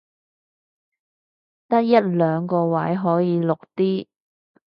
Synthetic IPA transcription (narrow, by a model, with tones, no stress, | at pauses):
t̪ɐ˥k̚jɐ˥t̚lœː˨˧ŋkɔː˧wɐ˨˥jɦɔː˨˥jiː˨˧lʊ˨k̚t̪iː˥